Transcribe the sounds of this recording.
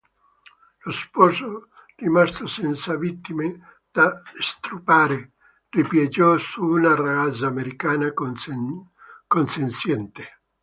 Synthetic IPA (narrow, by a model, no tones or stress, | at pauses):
lospɔːzo | rimast̪osɛnt̪savit̪ːime | d̪̥ast̪ɾupaːɾe | ripjad͡ʒɔsuːnaraɣat̪saːmeɾikaːna | konsensjɛnt̪e